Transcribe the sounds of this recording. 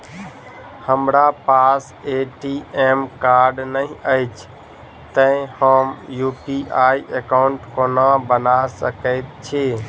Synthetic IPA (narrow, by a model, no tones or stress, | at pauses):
həmɾapas | eʈiemkaɾɖnəĩəɪt͡ʃʰ | t̪ə̃həmjupiʔaiʔekaʊɳʈkonabənasəkəɪt̪̚t͡ʃʰe